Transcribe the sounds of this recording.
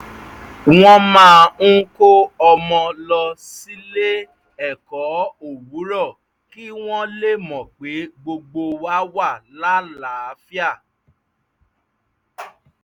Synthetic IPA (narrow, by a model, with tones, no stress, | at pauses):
w̃ɔ̃˦mãː˦˧ŋ̩˦ko˦ɔ˧mɔ̃˧lɔ˧si˦le˦ | ɛ˦˨kɔ˨˦o˦˨wu˨˦ɾɔ˦˨ | ki˦w̃ɔ̃˦le˦˨mɔ̃˨k͡pe˨˦ɡ͡bo˧ɡ͡bo˧wa˦wa˦˨la˨˦la˨˦˨fi˦a˦˨